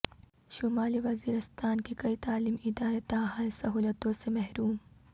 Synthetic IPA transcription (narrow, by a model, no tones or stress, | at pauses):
ʃʊmaːliʋɐziːɾɪst̪aːnkikɐit̪aːliːmɪd̪aːɾet̪aːɦãːnsɐɦuːlət̪õsemɐɦɾuːm